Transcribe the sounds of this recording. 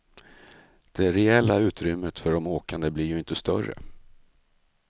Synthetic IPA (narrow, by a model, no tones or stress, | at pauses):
d̪̥ɛɾɛɛlːaʉ̟ːt̪ɾʏmːət̪fœɖɔmoːkand̪əblɪɾjɵɪnt̪əst̪œrə̰